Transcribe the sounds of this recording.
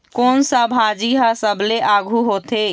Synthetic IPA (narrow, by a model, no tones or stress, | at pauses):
konsəbɦad͡ʒiɦəsəbleʔaɡʱuɦot̪e